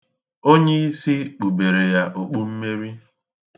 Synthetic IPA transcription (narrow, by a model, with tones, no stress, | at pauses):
o˦ɲe˦i˦si˦k͡pu˨be˨ɾe˨ja˦ʔo˨k͡pu˦m̩˦me˦ɾi˦